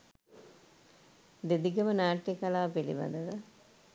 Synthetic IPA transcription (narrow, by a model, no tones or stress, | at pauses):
d̪ed̪iɡəmənaːʈːekalaːpelḭʋa̰d̪əʋə